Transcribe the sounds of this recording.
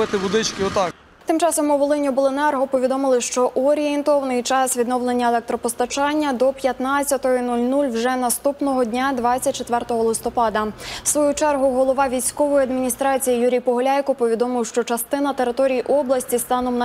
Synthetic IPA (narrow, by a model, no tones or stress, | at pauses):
ɪt̪ɪʋʊd̪ɪt͡ʃkɪɔt̪ɑ | t̪ɪmt͡ʃɑsɔmʊʋolˠɪnʲibɔlˠenɛrɦɔpɔʋʲid̪ɔmɪlˠɪʃt͡ʃɔʔuɔɾʲijɛnt̪ɔʋɐnɪjt͡ʃɑsʋʲid̪nɔʋlˠe̞nʲːɐelˠɛk̚t̪ɾɔpɔst̪ɐt͡ʃɑnʲːɐd̪ɔpʲjɐt̪nɑt͡sʲːɐt̪ɔɦɔinulʲnulʲwʒɛnɐst̪upnɔɦɔdʲnʲad̪ʋɑt͡sʲːɐt̚ʲt͡ʃːet̪ʋɛrt̪ɔɦɔlˠɪst̪ɔpɑd̪ɐsʋɔjut͡ʃɛrɦʊɦɔlˠɔʋɑʋʲijsʲkɔʋɔjiɐd̪mʲinʲist̪ɾɑt͡sʲijijuɾʲijpɔɦɔlʲajkɔpɔʋʲid̪ɔmɪwʃt͡ʃɔt͡ʃɐst̪ɪnɐt̪eɾɪt̪ɔɾʲijiʔɔblˠɐsʲtʲist̪ɑnɔmn